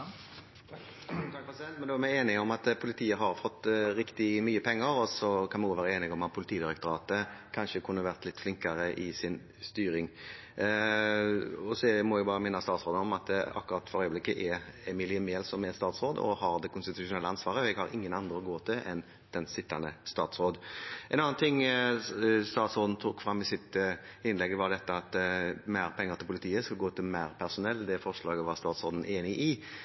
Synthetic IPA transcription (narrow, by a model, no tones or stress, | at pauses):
t̪ɑkpʰɾɛsɪɛnt̪mɛnd̪oːmæeːnɪŋɔmɑt̪pʰʊlɪt̪ʰiːəɦɑɾfɔt̪ːɾɪkt̪ɪmyːəpʰɛŋːəɾɔsɔkʰɑnmɛnuːʋæːɾəeːnɪɡɔmɑt̪̚pʰʊlɪt̪ʰiːd̪ɪɾɛk̚t̪ʊɾɑːt̪əkʰɑnʂəkʰʊnːəʋæʁt̪lɪt̪ːflɪŋkɑɾəʔɪsɪn | st̪yːɾɪŋ | ɔsɛmɔʊbɑːɾəmæɪnɑst̪ɑːt̪sɾoːd̪əɔmɑt̪̚ɑ̰kːʊɾɑt̪ːfɔɾœʏəblɪkːəʔɛɛmɪlɪəmeːlsɔmɛst̪ɑːt̪sʁoːd̪ɔ̰hɑʁd̪ɛkʰʊnst̪ɪt̪ʉʂʊnɛləɑnsʋɑːɾəɛɡhɑɾɪŋːənɑnd̪ʁəɔɡoːt̪ʰɪlʔɛ̰n | d̪̥ɛnsɪt̪ːɑnəst̪ɑːt̪sɾoːd̪ʔɛnɑnːɑnt̪ʰɪŋ | st̪ɑːt̪sɔːd̪n̩t̪ʰuːkfɾɑmːɪsɪt̪ɪnlɛɡəʋɑɾd̪ɛt̪ːəɑt̪mæɪɾpʰɛŋːəʁt̪ɪlpʰʊlɪt̪ʰiːəskɑlɡoːt̪ʰɪlmæɪɾpʰæʁsʊnɛlːd̪ɛfɔʁʂlɑːɛɡɔʋɑʁst̪ɑːt̪sɔːd̪n̩eːnɪʔɪ